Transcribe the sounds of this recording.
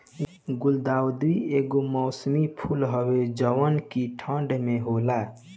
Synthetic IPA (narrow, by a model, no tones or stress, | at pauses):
ɡʊld̪aːwd̪ieɡomɔːsmipʰulɦəwed͡ʒəwənkiʈʰə̃ɳɖmeɦola